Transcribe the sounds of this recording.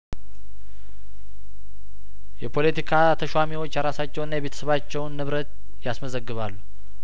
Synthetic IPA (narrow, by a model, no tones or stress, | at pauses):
jɛpʰo̞let̪ʰikʰat̪ʰəʃwamiwo̞t͡ʃːjaɾasat͡ʃːɛwɨnːajɛβe̞t̪ʰəsəβat͡ʃːɛwnːɨβɾət̪ | jasməzəɡːɨβalːu